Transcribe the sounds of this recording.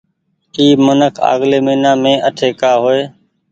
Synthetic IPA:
iːmənəkʰa̰ːɣleːməiːnãːmẽːʔəʈʰeːkaːɦoːeː

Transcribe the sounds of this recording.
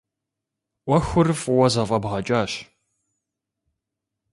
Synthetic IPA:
ʔʷɔxʷʊrɨfʼʊwɐzɐfʼɐbʁɐt͡ʃʼaːɕ

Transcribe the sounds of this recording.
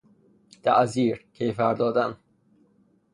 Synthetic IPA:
t̪ʰæ̰ʔziːɾcʰejfæɾd̪ɒːd̪æn

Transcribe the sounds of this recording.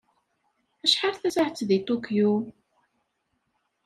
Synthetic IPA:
æʃħaɾθæsaʕt͡sːðit̪ˤukju

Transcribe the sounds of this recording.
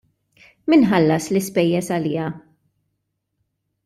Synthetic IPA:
mɪnħɐlːɐslɪspɛjːɛsɐlɪːɐ

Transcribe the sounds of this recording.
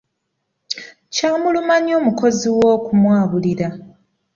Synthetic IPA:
caːmulumaɲjo̞ːmuko̞ziwo̞ːkumwaːβuliɾa

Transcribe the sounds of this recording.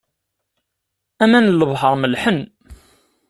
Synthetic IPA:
æmænləvˤɦəɾˤməlħən

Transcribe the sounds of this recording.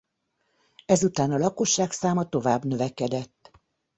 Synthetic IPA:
ɛzut̪aːnɒlɒko̞ʃːaːksaːmɒt̪o̞vaːbnøvɛkɛd̪ɛt̪ː

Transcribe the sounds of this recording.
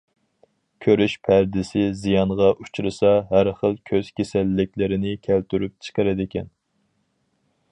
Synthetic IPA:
kʲʰøɾyʃpʰæɾd̪ɪsɪzijɑnʁɑʔut͡ʃʰɾɨsɑɦæɾχəlˠkʲʰøz̥kʲesɛlːɪkʲlɪɾɪnɪkʲʰælt̪ʰyɾyp̚t͡ʃʰə̥qəɾɨd̪ɪkʲɛn

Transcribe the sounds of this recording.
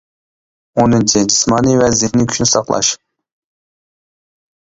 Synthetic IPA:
onɨnt͡ʃʰɪd͡ʒismɑːnɨvɛzɪhnɪkʲʰy̥ʃnɪsɑqlˠɑ̰ʃ

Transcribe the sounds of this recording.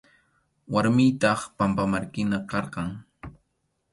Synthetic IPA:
waɾmɪjt̪ɑχpampamaɾkɪnakɑɾqɑŋ

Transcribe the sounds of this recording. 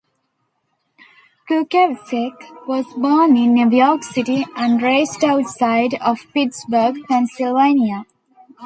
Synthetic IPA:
kukeʋsekʋɔzbɔːnɪ̃nːuʋjɔːksɪʈiæ̃ɳɖɾeːsʈaʊʈsaɪɖɔʋpiʈsbəɾɡpɛ̃nsilʋẽnia

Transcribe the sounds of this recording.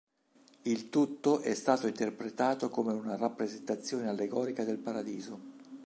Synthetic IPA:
ilt̪ut̪ːoʔɛst̪aːt̪oint̪erpɾet̪aːt̪okomeunarapːɾezent̪at̪sːjoːnealːeɡɔːɾikad̪elpaɾad̪iːzo

